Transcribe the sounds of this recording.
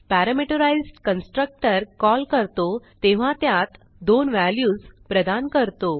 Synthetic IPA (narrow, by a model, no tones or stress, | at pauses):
pæɾəmeʈəɾajzɖkənsʈɾək̚ʈəɾkɔlkəɾt̪ot̪eʋ̤ãt̪jat̪ | d̪onʋæljuːd͡zpɾəd̪ankəɾt̪o